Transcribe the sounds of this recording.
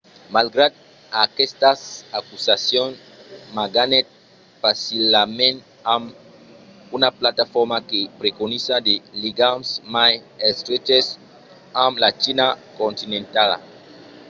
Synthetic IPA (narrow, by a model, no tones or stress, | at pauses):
malɡɾad̪̚ | akest̪asakusasjons | maɡanet̪̚ | fasilamẽnt̪ | am | unaplat̪afoɾmakepɾekonisad̪eliɡamsmajest̪ɾet͡ʃes | amlat͡ʃinakont̪inẽnt̪ala̰